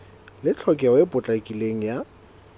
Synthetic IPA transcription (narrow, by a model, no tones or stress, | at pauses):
lɪt͡ɬʰɔkʼɛwepʼʊt͡ɬʼakʼileŋ̩ja